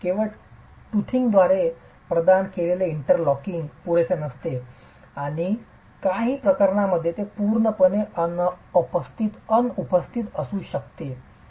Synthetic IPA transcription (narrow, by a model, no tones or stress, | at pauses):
kĩʋa | ʈut̪ʰiŋɡd̪ʋaɾe | pɾəd̪ankeleleiɳʈəɾlɔkiŋɡpuɽet͡senəst̪e | aɽ̃i | kaɦiːpɾəkəɾɳaməd̪ʱːjet̪epuɾɳəpəneənəpəst̪ʰit̪ənupəst̪ʰit̪əsũːɕəkt̪e